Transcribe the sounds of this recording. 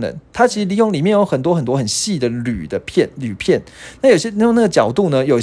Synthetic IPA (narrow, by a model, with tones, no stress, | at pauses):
nə̰˧˦nt̪ʰa˥t͡ɕʰi˧˥ʂ̩˧li˧˥jo˥˩ŋli˨˩mjɛ˥˨njo˧˥ʊxə˨˩nt̪wɔ˥xə˨nt̪wɔ˥xə˨˩nɕi˥˩d̪ə˩ly̰˨˩d̪ə˦pʰjɛ˥˨nly˨˩pʰjɛ˥˩nna˥˩jo˨˩i˩ɕjɛ˥i˥jŋna˥˩ɡə˩t͡ɕjɑ˨˩ʊt̪u˥˨nə˦jo˨ʊ